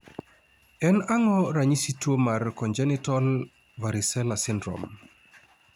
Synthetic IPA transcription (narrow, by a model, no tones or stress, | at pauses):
ɛnaŋɔɾaɲisitwomarkɔɲd͡ʒɛnɪtɔl | vaɾɪsɛlasɪndɾɔ̰m